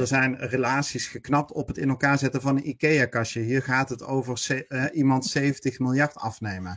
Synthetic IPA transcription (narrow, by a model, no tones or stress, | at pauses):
əɹzɛjnrelaːtsisχəknɑp̚tɔpɦətɪnɛlˠkaːɹzɛtənvɑnənikejakɑʃəɦiːɹχaːtɦətowvəɹsʔimɑntsejvəntəχmɪlˠjɑɹtɑ̰fnejmən